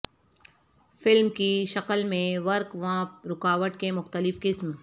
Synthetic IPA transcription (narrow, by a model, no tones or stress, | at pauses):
fɪlmkiʃɐqəlmẽʋɐɾkʋãːɾʊkaːʋəʈkemʊxt̪əlɪfkɪsm